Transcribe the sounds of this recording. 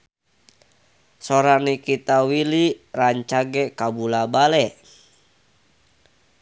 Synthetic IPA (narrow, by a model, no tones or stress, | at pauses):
sɔɾanikit̪awiliraɲt͡ʃaɡɛkabulabalɛ